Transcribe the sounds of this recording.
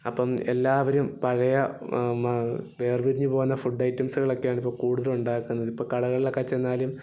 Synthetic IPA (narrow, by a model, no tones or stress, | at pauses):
ɐpːɐmḛlːaːʋɐɾumpɐɻɐjɐ | ʋe̞ːrʋiɾiɲːupo̞ːɣunːɐfuɖːɐjtːɐmsuɣɐɭo̞kːejaːɳipːo̞ːɭkuːɽuðɐluɳɖaːkːunːɐðipːoːɭkɐɽɐɣɐɭilekːɐt͡ɕːenːaːlum